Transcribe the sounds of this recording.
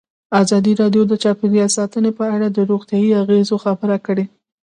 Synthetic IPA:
ɑzɑd̪iɾɑɖjod̪ət͡ʃɑpeɾijɑsɑt̪ənepəaɽad̪əɾoɣt̪jɑjiaɣezoxabəɾakəɽe

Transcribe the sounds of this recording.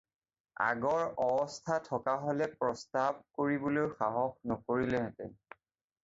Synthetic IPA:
a̰ɡɔɹɔbɔstʰatʰɔkaɦolɛpɹɔstab̚koɹibɔlojxaɦɔxnɔkoɹilɛɦɛtɛ

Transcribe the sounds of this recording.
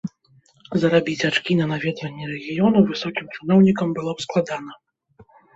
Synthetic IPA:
zɐɾabʲit͡sʲat͡ʂkʲinɐnavʲɛd̪vɐnʲːɛɾɛɣʲijɔnuvɨsɔkʲimt͡ʂɨnɔwnʲikɐmbɨlˠɔpsklˠad̪an̪ɐ

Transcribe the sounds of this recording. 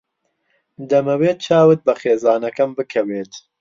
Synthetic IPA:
d̪ɐmɐweːt͡ʃʰaːwɨt̪̚bɐxeːzaːnɐkɐmbɨkʰɛweːt̪

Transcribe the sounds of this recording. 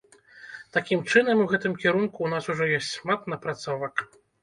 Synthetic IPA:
t̪akʲimt͡ʂɨnɐmuwɣɛt̪ɨmkʲɛɾunkuːnasuʐɔjɔsʲtʲʂmat̪nɐpɾat̪sɔvɐk

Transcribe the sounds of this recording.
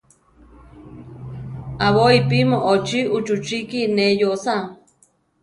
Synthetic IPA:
aβoipimoʔot͡ʃiʔut͡ʃut͡ʃikinejosa

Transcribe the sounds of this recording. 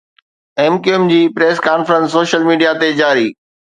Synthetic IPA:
ɛːmkiemd͡ʑiːpɾeːskaːnfəɾə̃nsːoːʃəlmiːɖijat̪ed͡ʑaːɾiː

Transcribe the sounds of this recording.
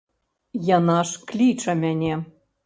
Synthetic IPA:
jɤnɑʃklʲit͡ʃɤ̆mʲænʲe

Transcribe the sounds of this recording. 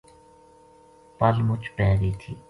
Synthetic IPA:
pɐlmʊt͡ɕpɛːɾiːt̪ʰiː

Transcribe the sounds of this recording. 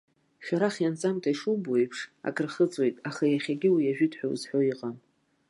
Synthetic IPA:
ʃᶣaɾaχjant͡sʼamtʰaiʂubojpʰʂa̰kʰʼɨrχət͡sʼwe̞jtʼaχajaχʲaɡʲɪwijaʒᶣɪtʰʼħʷᶣawzħʷᶣo̞iqʼam

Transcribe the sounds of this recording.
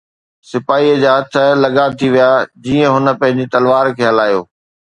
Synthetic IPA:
sɪpaːiːəd͡ʑaːɦɐt̪ʰə̆lɐɠat̪ʰiʋijaːd͡ʑiːə̃ɦʊnə̆pɐ̃ɦɪ̃ɲd͡ʑit̪ɐlʋaːɾkʰeːɦɐlaːjo̰ː

